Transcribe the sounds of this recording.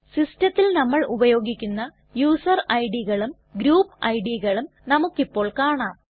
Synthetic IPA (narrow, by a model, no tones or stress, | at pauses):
sistɐt̪ːilnɐmːɐɭʔubɐjo̞ːɡikʲːunːɐ | juːsɐrɐjɖiɣɐɭum | ɡɾuːpːɐjɖiɣɐɭum | nɐmukːipːo̞ːɭkaːɳaːm